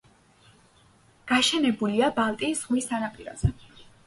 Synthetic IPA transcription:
ɡ̥aʃɛnɛbuliabalˠt̪ʼisʁmist̪ʰanapʼiɾa̰z̥ɛ

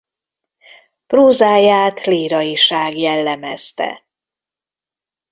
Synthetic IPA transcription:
proːzaːjaːt̪liːɾɒjiʃaːɡjɛlːɛmɛst̪ɛ̰

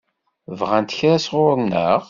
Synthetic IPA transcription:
vʁænt̪əçɾæsʁʊɾnə̰ʁ

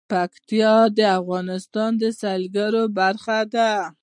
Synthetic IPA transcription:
pakt̪ijɑd̪əafɣɑnɪst̪ɑnd̪əsalɡaɾobaɾxad̪a

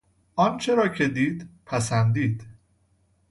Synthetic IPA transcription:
ʔɒnt͡ʃʰe̞ɾɒːcʰe̞d̪iːd̪pʰæsænd̪iːd̪̥

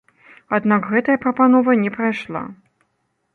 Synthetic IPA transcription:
ad̪nakɣɛt̪ɐjɐpɾɐpanɔvɐnʲɛpɾajʂlˠa̰

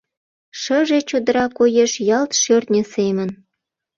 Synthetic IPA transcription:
ʃəʒet͡ɕod̪ə̆ɾɑkojeʃjɑlt̪ʃørt̪nʲə̆semən

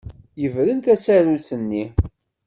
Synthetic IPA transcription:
jəvɾənt̪æsæɾut͡sːənːi

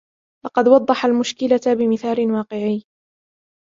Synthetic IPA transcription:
lɑqɑd̪wɑd̪ˤːɑħalmʊʃkɪlabɪmɪθaːlɪnwɑːqɪʕiː

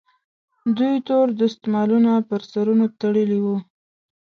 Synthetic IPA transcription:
d̪ujt̪oɾd̪əɪst̪mɑlunapəɾsaɾunot̪aɽəliwu

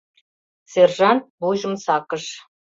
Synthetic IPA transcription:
serʒɑnt̪̚buʑə̆msɑkəʃ

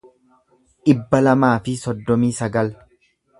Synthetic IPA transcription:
ʔɪbːɐlɐmaːfɪsɔd̪ːɔmiːsɐɡɐl

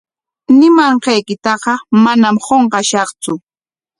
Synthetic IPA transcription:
nɪmɑɴɢɑjkɪt̪ɑɢɑmanamɢoɴɢɑʃɑχt͡sʊ

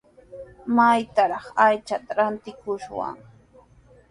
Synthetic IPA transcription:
majt̪aɾɑχajt͡ʃat̪aɾant̪ɪkʊʃwa̰ŋ

